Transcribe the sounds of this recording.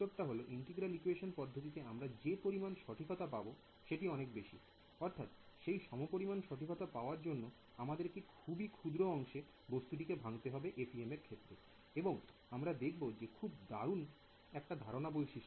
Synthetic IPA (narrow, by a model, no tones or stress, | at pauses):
t̪ːoɾʈaɦoloʔiɳʈeɡɾalikueʃonpɔd̪ʱːot̪̬it̪eamɾad͡ʑepoɾimanʃɔʈʰikʰot̪apabo | ʃeʈiɔnekbeʃḭ | ɔɾt̪ʰat̪ʃejʃɔmopoɾimanʃɔʈʰikʰot̪apaoaɾd͡ʑonːo | amad̪eɾkikʰubikʰud̪ɾoɔŋʃe | bost̪uʈikebʱaŋt̪eɦɔbeʔepiemeɾkʰet̪ːɾe | eboŋ | amɾad̪ekʰbod͡ʑekʰubd̪aɾun | ɛk̚ʈad̪ʱaɾonabolʃiʃ